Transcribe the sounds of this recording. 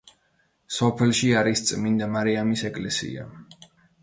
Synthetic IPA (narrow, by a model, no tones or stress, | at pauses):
sɔpʰɛlˠʃiaɾist̪sʼmind̪amaɾiamisɛkʼlɛsḭa̰